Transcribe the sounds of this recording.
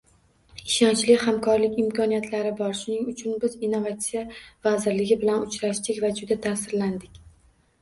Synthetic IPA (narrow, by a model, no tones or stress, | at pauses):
ɪʃɒnt͡ʃlɪhamkʰɒɾlɪkʲɪmkʰɒnijat̪ʰlaɾɪbɒɾʃʊnɪŋʊt͡ʃʰʊnbɪzinːo̞vat̪sijavazɪɾlɪɡʲɪbɪlanʊt͡ʃɾaʃt̪ɪkʲvad͡ʒʊd̪at̪ʰasɪɾland̪ɪkʲ